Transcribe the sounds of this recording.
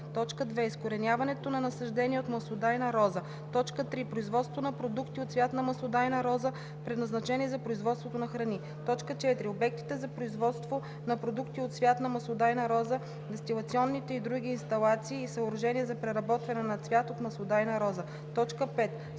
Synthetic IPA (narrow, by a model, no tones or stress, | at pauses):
t̪ɔt͡ʃkəd̪vɛiskoɾɛnʲjavɐnɛt̪onɐnɐsɐʒd̪ɛniɛot̪mɐsod̪ajnɐɾɔzə | t̪ɔt͡ʃkət̪ɾipɾoizvɔt̪st̪vonɐpɾod̪ukt̪iot̪svʲjat̪nɐmɐsod̪ajnɐɾɔzə | pɾɛd̪nɐznɐt͡ʃɛniɛzɐpɾoizvɔt̪st̪vot̪onɐxɾɐni | t̪ɔt͡ʃkət͡ʃɛt̪ɾiobɛk̚t̪i̥t̪ɛzɐpɾoizvɔt̪st̪vo | nɐpɾod̪ukt̪iot̪svʲjat̪nɐmɐsˠod̪ajnɐɾɔzə | vɛst̪ilˠɐt̪siɔnːit̪ɛid̪ɾuɡ̟ʲiːnst̪ɐlˠat̪siːsɐʊɾɐʒɛniɛzɐpɾɛɾɐbɔt̪vɐnɛnɐt̪svʲjat̪ot̪mɐsod̪ajnɐɾɔzə | t̪ɔt͡ʃkəpɛt̪